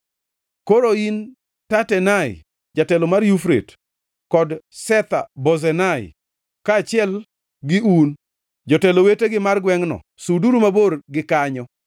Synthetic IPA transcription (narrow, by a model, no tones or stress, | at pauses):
koɾoin | tatɛnaɪ̰ | d͡ʒatɛlomarjufɾḛt | kɔdsɛt̪a̰bɔzɛnaɪ̰ | kaːt͡ʃɪɛl | ɡɪun | d͡ʒɔtɛloweteɡɪmarɡwɛŋnɔ̰ | suduɾumaborɡɪkaɲɔ